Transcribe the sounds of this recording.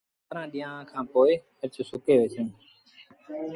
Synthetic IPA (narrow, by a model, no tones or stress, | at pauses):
t̪ɾãːɗɪjãːkʰãːpoːɪhəɾt͡ʃsʊkeːʋeːsə̃ː